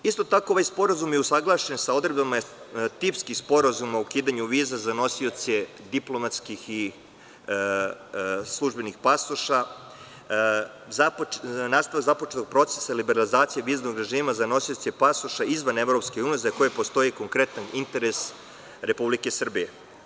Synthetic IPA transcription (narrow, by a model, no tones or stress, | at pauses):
ist̪o̞t̪ako̞oʋajspo̞ɾazumjeusaɡlˠaʃensao̞d̪ɾebama | t̪ipskixspo̞ɾazumaukiːd̪aɲuʋiːzazano̞sio̞t̪se | d̪iplˠo̞mat̪skixi | slˠuʒbe̞nixpasoʃa | zapnaːst̪aʋaɡzapot͡ʃet̪oɡ̥̚pɾo̞t̪sesailibeɾalizaːt̪sijeʋiːznoɡɾe̞ʒiːmazano̞sio̞t̪sepasoʃaizʋanevɾo̞pskeuːnijezako̞jepo̞st̪o̞jiko̞ŋkɾe̞t̪anint̪e̞ɾes | ɾe̞publike̞sr̩bije